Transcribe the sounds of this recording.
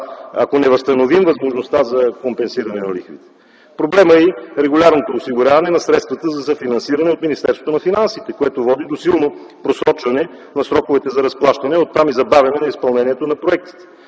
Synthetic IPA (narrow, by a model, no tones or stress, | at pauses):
a̰konɛvɐst̪ɐnovimvɐzmoʒnost̪azɐkompɛnsiɾɐnɛnɐlixvḭt̪ɛ̥ | pɾoblɛməiɾɛɡʊlʲaɾnot̪oːsiɡʊɾʲavɐnɛnɐsɾɛt̪st̪vɐt̪əzɐsɐfinɐnsiɾɐnɛot̪minist̪ɛɾsvot̪onɐfinansit̪ɛkoɛt̪ovɔd̪id̪osilˠno | pɾosɾɔt͡ʃvɐnɛ | nɐsɾɔkovɛt̪ɛzɐɾɐsplˠaʃt̪ɐnɛot̪ːamizɐbavʲjɐnɛnɐispɐlˠnɛniɛt̪onɐpɾoɛk̚t̪i̥t̪ɛ̥